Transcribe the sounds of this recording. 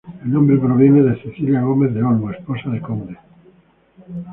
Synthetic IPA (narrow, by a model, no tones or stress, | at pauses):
elnõmbɾepɾoβ̞je̞neðeseθiljaɣ̞o̞mezðeolmoesposaðekond̪e